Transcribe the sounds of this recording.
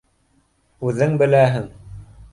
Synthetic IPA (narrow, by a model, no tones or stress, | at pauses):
ʉðɘŋbɘ̆læɦɘŋ